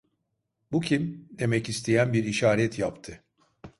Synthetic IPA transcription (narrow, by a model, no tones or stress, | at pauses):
bucʰimd̪e̞mɛcist̪ʰejænbiɾiʃaːɾɛt̪ʰjapt̪ʰɯ